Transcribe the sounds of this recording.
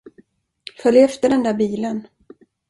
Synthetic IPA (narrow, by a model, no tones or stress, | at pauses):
fœljɛft̪əɖɛnd̪æɾbiːlən